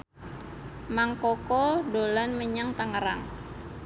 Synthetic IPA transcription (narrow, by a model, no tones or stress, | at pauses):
maŋkokɔdolanməɲaŋt̪aŋəɾa̰ŋ